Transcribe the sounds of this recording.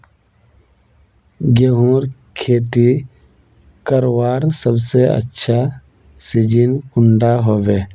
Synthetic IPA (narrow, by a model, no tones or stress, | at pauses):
ɡeɦũːɾkʰeːt̪i | kəɾwaːɾsəbseə̰tːʃʰa | sɪd͡ʒinkʊɳɖaɦoːʋeː